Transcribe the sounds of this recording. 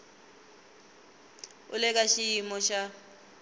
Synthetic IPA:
ʊ̰lɛk̬ʼaʃijimɔʃa

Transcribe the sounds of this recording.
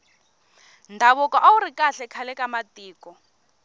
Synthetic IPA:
ndʱaβɔkɔʔauɾikaɬɛkʰalɛkamatʼiːkɔ

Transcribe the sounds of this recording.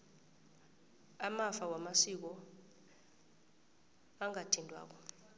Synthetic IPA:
amafawamasik̬ɔ | aŋʱatʰindʱwa̰ːk̬ɔ

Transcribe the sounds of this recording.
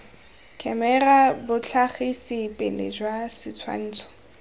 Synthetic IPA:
kʰɛmɛrabʊt͡ɬʰaχɪsɪpʼelɪ̰d͡ʒwasɪt͡sʰwa̰n̩ːt͡sʰɔ̥

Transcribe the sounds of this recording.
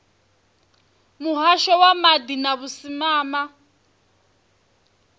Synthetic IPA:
muɦaʃɔwamadinaβusimaːma

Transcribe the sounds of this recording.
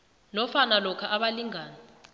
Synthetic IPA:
nɔfanalɔkʰaʔaɓaliŋaːna

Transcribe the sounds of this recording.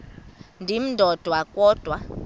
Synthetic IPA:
ndʱim̩dʱɔd̥ʱwakʼɔːd̥ʱwa

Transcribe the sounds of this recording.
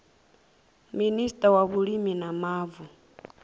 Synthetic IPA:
ministʼawaβuliminamaːvu

